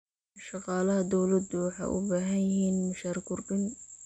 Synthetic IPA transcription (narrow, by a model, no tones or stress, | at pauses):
ʃɑqɑːlɐɦɐd̪ɔwlɐd̪ʊwɑħɑ̰jʔʊ̰baːɦɐnjɪɦiːnmɐʃaːɾkʊrbɪn